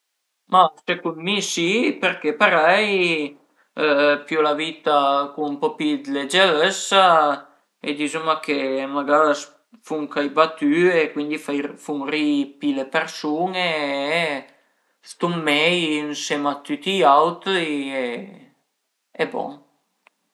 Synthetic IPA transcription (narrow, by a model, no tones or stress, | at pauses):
masekunmisipeɾkepaɾɛj | pjulaviːt̪akuumpɔpid̪led͡ʒeɾesːa | ḛd̪izumakʰemaɡaɾas | fuŋkajbat̪yekwind̪ifajfuŋripilepeɾsuːne | st̪umːɛjnsemat̪ːyt̪iawt̪ie | ɛbɔ̰ŋ